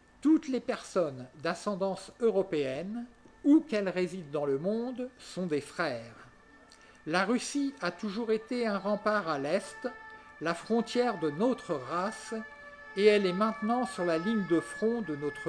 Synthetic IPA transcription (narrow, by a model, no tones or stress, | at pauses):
t̪ut̪lepɛʁsɔnd̪asɑ̃d̪ɑ̃søʁɔpeɛn | ukɛlʁezid̪ːɑ̃ləmɔ̃d̪sɔ̃d̪efχɛːʁ | laʁysiat̪uʒuʁet̪eɛ̃ʁɑ̃paʁalɛst̪lafχɔ̃t̪jɛʁd̪ənot̪χəʁas | eɛlɛmɛ̃t̪nɑ̃syʁlaliɲd̪əfχɔ̃d̪ənot̪χ